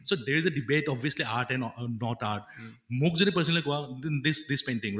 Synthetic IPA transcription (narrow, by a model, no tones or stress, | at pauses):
soːd̪eːɾɪzəɖɪbeːʈɔːbiəsliaːɾʈɛ̃nɖnɔːʈaːɾʈ̚ | muk̚d͡ʒonẽpəɾs̬ənəlikoad̪ɪsd̪ɪspẽːɳʈɪ̃ŋ